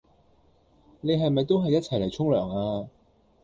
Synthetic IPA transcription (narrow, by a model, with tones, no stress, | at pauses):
ne˨˧ɦɐ˨jmɐ˨jt̪o˥wɦɐ˨jɐ˥t̚t͡sʰɐ˨˩jle˨˩jt͡sʰʊ˥ŋlœː˨˩ŋaː˧